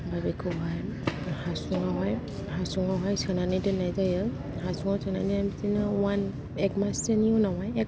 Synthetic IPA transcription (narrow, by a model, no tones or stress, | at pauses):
babikʰɯɦajhasuŋaɦɔj | hasuŋaɦɔjsʰɯnanidɯnajzajɯ | hasuŋasʰɯna̰niamitinɯwan | ɛkmaseniunawajɛk